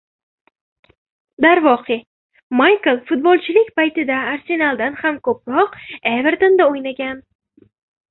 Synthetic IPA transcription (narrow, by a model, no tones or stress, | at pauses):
d̪aɾvɒqʰɪ | majkɨlˠfʊt̪̚bolˠt͡ʃʰɪlɪkʲpajt̪ɪd̪aːɾse̞nalˠd̪anhamkʰɵp̚ɾɒqeveɾt̪ond̪aojnaɡʲan